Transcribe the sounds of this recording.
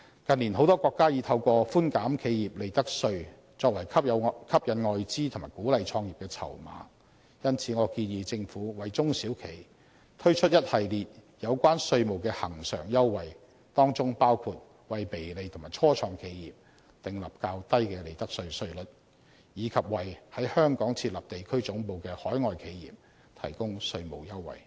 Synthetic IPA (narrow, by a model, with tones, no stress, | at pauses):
kɐ˨nliː˨˩nɦo˨˥wt̪ɔː˥kʷɔː˧kːaː˥jiː˨˧t̪ʰɐ˧wkɔː˧fuː˥nkaː˨˥mkʰe˨˧jjiː˨p̚le˨˧jt̪ɐ˥k̚sɵ˧ɥ | t͡sɔː˧k̚wɐ˨˩jkʰɐ˥pkʰɐ˥p̚jɐ˨˧nŋɔː˨jt͡siː˥t̪ʰʊ˨ŋmaː˨˩jkuː˨˥lɐ˨jt͡ʃʰɔː˧ŋjiː˨p̚kɛː˧t͡sʰɐ̰˨˩wma̰ː˨˥˦ | jɐ˥nt͡sʰiː˨˥ŋɔː˨˧kiː˧njiː˧t͡sɪ˧ŋfuː˨˥wɐ˨jt͡sʊ˥ŋsiː˨˥wkʰe˨˩j | t̪ʰɵ˥ɥt͡ʃʰɵ˥t̚jɐ˥t̚hɐ˨jliː˨t̚jɐ˨˧wkʷaː˥nsɵ˧ɥmo˨˩wkɛː˧hɐ˨˩ŋsœ̰ː˨˩ŋjɐ˥wːɐ˨j | t̪ɔː˥ŋt͡sʊ˥ŋpaː˥wkʰuː˧t̚ | wɐ˨jpe˨˩jle˨˧jt̪ʰŋmaː˨˩jt͡ʃʰɔː˥t͡ʃʰɔː˧ŋkʰe˨˧jjiː˨p̚ | t̪ɪ˨ŋlɐ˨p̚kaː˧wt̪ɐ˥jkɛː˧le˨˩jt̪ɐ˥k̚sɵ˧ɥsɵ˧ɥlɵ˨˥t̚ | jiː˨˧kʰɐ˨p̚wɐ˨˩jhɐ˨˥jhœː˥ŋkɔː˨˥ŋt͡sʰiː˧t̚lɐ˨˩p̚t̪e˨jkʰɵ˥ɥt͡sʊ˨˥ŋpo˨wkɛː˧hɔː˨˥jŋɔː˨jkʰe˨˧jjḭː˨p̚ | t̪ʰɐ̰˨˩jkʊ˥ŋsɵ˧ɥmo˨wjɐ˥wːɐ̰˨j